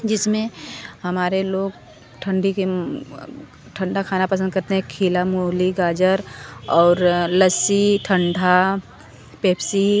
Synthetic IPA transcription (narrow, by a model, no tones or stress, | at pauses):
d͡ʒɪsmẽɦɐmaːɾeloːɡ̚ | ʈʰə̃ɳɖike | ʈʰə̃ɳɖʱakʰaːnapɐs̬ə̃nd̪kɐɾt̪eɦɛ̃kʰiːlamoliɡaːd͡ʒəɾɔːɾləsiʈʰə̃ɳɖʱa | peːpsi